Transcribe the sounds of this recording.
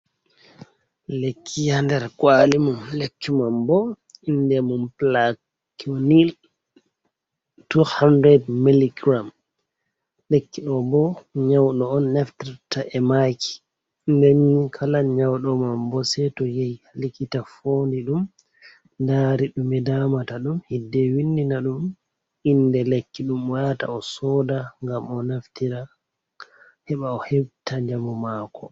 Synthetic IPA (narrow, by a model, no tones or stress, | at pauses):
lekʰːijandɛɾkwalimumlekːimambɔ | indɛmumpla | kunil | tuhandɾɛdmiliɡɾam | lekːiɗɔbɔɲawɗɔɔnːɛftaɾtaʔɛmaki̥ | ndeɲːikʰalaɲawɗɔmambɔsɛtɔjɛjalikitafoːndiɗum | ndaːɾiɗumɛdamataɗumhidːɛwinːinaɗum | indɛlekːiɗumwata̰ɔsɔːdaŋɡamɔnaftiɾa | hɛɓaɔhebtʰaɲd͡ʒamɔmaːkʰɔ